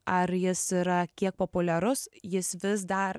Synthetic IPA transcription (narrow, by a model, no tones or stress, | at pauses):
ɐɾjɪsiɾɐkʲiɛk̚poːpʊlʲɛɾʊsjɪsʋʲɪsd̪ɐɾ